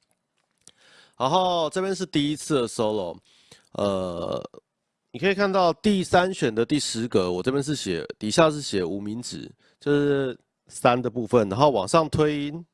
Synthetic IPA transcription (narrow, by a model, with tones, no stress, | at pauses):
a˧˦xo˥˩ʊʈ͡ʂɤ˥˧pjɛ˥˦nʂ̬ɻ̩˥˧t̪i˥˩i˦˥t͡s̩ʰ˥˩d̪ə˩ʂo˥oʊlɔ˨ | ə̰˧ | ni˨˩kʰə˦˥i˨˩kʰa˥˧nt̪ɑ˥˧ʊt̪i˥˨sa˦nɕɥɛ˨˩nd̪ə˨t̪i˥˩ʂɻ̩˧˦ɡə˦wɔ˨ʈ͡ʂɤ˥˩pjɛ˥nʂ̬̩˥˩ɕjɛ̰˨˦t̪i˨˩ɕja˥˧ʂ̬ɻ̩˥˩ɕjɛ˨˩u˨˩mi˧˦nʈ͡ʂɻ̩̰˨˩˦ | t͡ɕjo˥˧ʊʂɻ̩˥˩ | sa˦˥nd̪ə˨pu˥˧fə˥˩na˧˦ŋxo˥˩ʊwɑ̰˨˩ŋʂɑ˥˨˩ŋt̪ʰwe˥ɪi˥n